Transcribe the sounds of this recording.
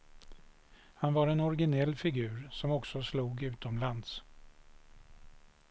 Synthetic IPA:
hanvaɾɛnɔɾɡɪnɛlːfɪɡʉ̟ːɾsɔmɔksɔsluːɡʉ̟ːt̪ɔmland̪s

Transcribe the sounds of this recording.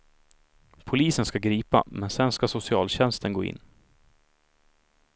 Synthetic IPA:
pʰʊliːsənskaɡɾiːpa̰mɛnsɛnskasʊsɪɑːlɕɛnst̪ʰənɡoːɪ̰nː

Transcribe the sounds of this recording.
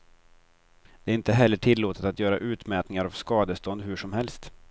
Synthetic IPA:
d̪ɛæɾɪnt̪əɦɛlːəʈʰɪlːoːt̪ət̪at̪jœːɾaʔʉ̟ːt̪mɛːt̪nɪŋaɾavskɑːd̪əst̪ɔnd̪ɦɵʂɔmhɛlst̪

